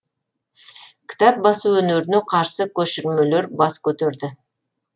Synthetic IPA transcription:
kʲʰɪ̥t̪ɑp̚bɑsuɵneɾɪneqʰɑɾsəkʲʰɵʃɪɾme̞le̞ɾbɑskʲʰɵt̪eɾd̪ɪ

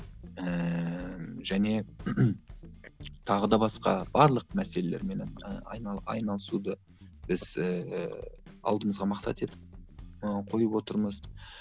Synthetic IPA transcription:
əmʒ̥æne̞ | t̪ʰɑʁəd̪ɑbɑsqɑ̰b̥ɑɾlˠəqmæse̞le̞lʲeɾme̞nenə̰jnɑɑ̰jnɑlˠəsud̪ə | b̥ɪz̥ə | ɑ̰lˠd̪əməzʁɑmɑqsɑ̰t̪e̞t̪ɪp̚əqʰo̞jəpwo̞t̪əɾməz

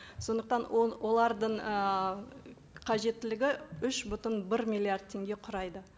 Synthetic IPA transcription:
so̞nd̪əq̚t̪ɑnowʔo̞lˠɑɾd̪əɴə | qʰɑʒe̞t̪ːɪlɪɡʲɪʏʃbʏt̪ənbɪɾmʲijlˠiard̪̚t̪ʰːe̞ŋɡʲe̞qʰʊɾɑjd̪ə

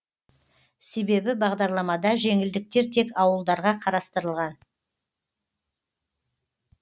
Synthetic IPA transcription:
se̞be̞bɪbɑʁd̪ɑɾlˠɑmɑd̪ɑʒe̞ŋɪld̪ɪk̚t̪e̞ɾt̪ʰe̞kɑwəlˠd̪ɑɾʁɑqʰɑɾɑst̪əɾəlˠʁɑn

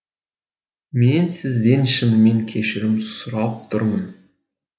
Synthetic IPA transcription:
me̞nsɪzd̪e̞nʃənəme̞ŋkʲʰe̞ʃɪɾɪmsʊɾɑp̚t̪ʰʊɾmən

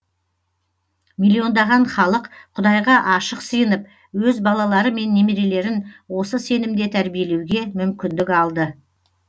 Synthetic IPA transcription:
milʲːio̞nd̪ɑʁɑɴχɑlˠəqqʰʊd̪ɑjʁɑʔɑʃəqsəjənəp̚ | wɵzbɑlˠɑlˠɑɾəme̞nːemiɾe̞le̞ɾɪnwo̞səse̞nɪmd̪e̞t̪ʰæɾbije̞le̞wɡʲe̞mʏmkʲɪnd̪ɪkʲɑlˠd̪ə

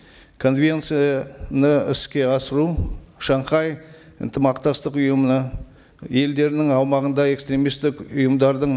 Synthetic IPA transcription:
kʰo̞nvʲe̞nt̪sijɑnəɪ̰skʲe̞ɑsəɾuʃɑɴqɑj | ə̰nt̪ʰəmɑqt̪ɑst̪əqʊjəmənə | je̞ld̪e̞ɾɪnɪŋɑwmɑʁənd̪ɑe̞kst̪ɾʲe̞mijst̪ɪkʊjəmd̪ɑɾd̪əɴ

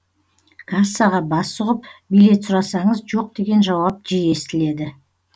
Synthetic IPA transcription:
kʰasɑʁɑbɑsʊʁəp̚bijle̞t̪sʊɾɑsɑɴəzʒo̞q̚d̪e̞ɡʲe̞nʒɑwɑp̚ʒije̞st̪ɪle̞d̪ɪ

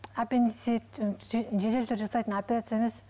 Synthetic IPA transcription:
apʲeniset̪ʒet̪elt̪ʰʏɾʒɑsɑjt̪ənopʲeɾat̪sɨjaemes

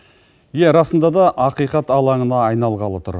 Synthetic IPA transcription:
jeɾɑsənd̪ɑd̪ɑʔɑqijqɑt̪ɑlˠɑɴənɑːjnɑlˠʁɑlˠət̪ʰʊɾ

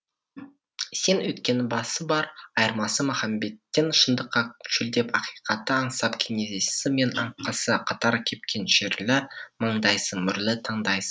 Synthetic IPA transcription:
se̞nwɵt̪kʲe̞nɪbɑsəbɑɾɑjəɾmɑsəmaχɑmbe̞t̪ːe̞nʃənd̪əqːɑkʰʃɪld̪e̞pɑqijqɑt̪ːəɑɴsɑpkʲʰeŋezessɪme̞nɑ̰ɴqːɑsəqʰɑt̪ɑɾkʲʰe̞p̚kʲʰe̞nʃeɾlɪməɴd̪ɑjsəɴmʏɾlɪt̪ʰɑɴd̪ɑjsə̥ɴ

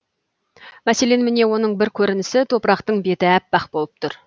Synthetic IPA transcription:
mæse̞le̞nmɪne̞wo̞nəɴbɪɾkʲʰɵɾɪnɪsɪt̪ʰo̞pəɾɑqt̪əɴbe̞t̪ɪæpːɑqbo̞lˠəp̚t̪ʰʊɾ

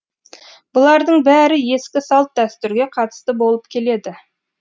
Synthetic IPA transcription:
b̥ʊlˠɑɾd̪əɴbæɾɪje̞skʲɪsɑlˠt̪̚d̪æst̪ʏɾɡʲe̞qʰɑt̪ə̥st̪əbo̞lˠəp̚kʲʰe̞le̞d̪ɪ

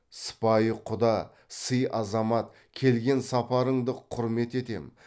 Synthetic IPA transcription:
sə̥pɑjəqʰʊd̪ɑ | səjʔɑzɑmɑt̪̚ | kʲʰe̞lɡʲe̞nsɑpɑɾəɴd̪əqʰʊɾme̞t̪e̞t̪e̞̰m

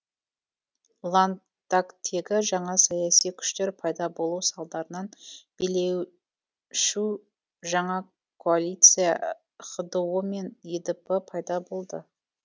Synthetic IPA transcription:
lˠan | t̪akt̪ʰe̞ɡʲɪʒɑɴɑsɑjɑsijkʲʰʏ̥ʃt̪e̞ɾpʰɑjd̪ɑbo̞lˠusɑlˠd̪ɑɾənɑnb̥ele̞w | ʃu | ʒɑɴɑ | kʰoalʲijt̪sɨjɑ̰ | χəd̪əwəme̞nid̪əpəpʰɑjd̪ɑbo̞lˠd̪ə̰

